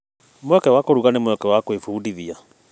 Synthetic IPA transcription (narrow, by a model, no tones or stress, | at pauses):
mwɛkɛwakoɾuɣanemwɛkɛwakwefuːdiðia